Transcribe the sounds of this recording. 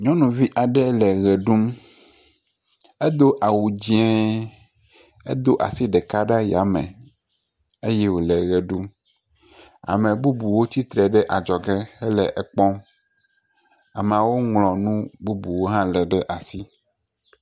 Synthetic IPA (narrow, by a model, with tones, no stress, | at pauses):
ɲɔ̃˦nũ˨vi˦ʔa˨ɖɛ˦lɛ˨ɣɛ˨ɖu˦m | ɛ˦d̪o˦ʔa˨wu˨d͡ʑi˦ɛ̃˦ | ḛ˦d̪o˦ʔa̰˨si˦ɖɛ˨ka˦ɖa˦ja˨mɛ̰̃˨ | e˦jɛ˦wo˨lɛ˨ɣɛ˨ɖu˦m | a̰˨mɛ̃˨bu˦bu˨wo˦t͡ɕi˦t̪ɾɛ˨ɖɛ˦ʔa˨d͡ʒɔ˨ɡɛ˦ɛ˦lɛ˨ʔɛ˨k͡pɔ̃˦m | a˨m˨a˨wo˦ŋlɔ̃˨nũ˦bu˦bu˨wo˦ɦã˦lɛ˨ɖɛ˦ʔa˨si˦